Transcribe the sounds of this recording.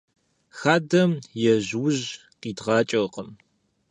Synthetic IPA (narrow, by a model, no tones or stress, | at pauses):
xaːdɐmjɛʑwʊʑ | qiːdʁɑːt͡ʃʼɐqəm